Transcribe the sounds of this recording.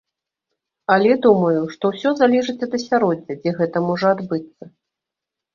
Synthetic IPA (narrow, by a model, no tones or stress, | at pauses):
ɐlʲɛd̪umɐjuʂt̪ɔwsʲɔzalʲɛʐɨt͡sʲɐd̪ɐsʲaɾɔd͡zʲɐd͡zʲɛɣɛt̪ɐmɔʐɐad̪bɨt̪sːɐ